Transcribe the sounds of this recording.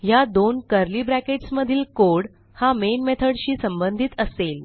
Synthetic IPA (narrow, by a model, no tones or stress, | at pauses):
jad̪onkəɾliːbɾækeʈsməd̪ʱiːlkoɽ | hamenmet̪ʰəɽɕiːsəmbənd̪ʱit̪əsel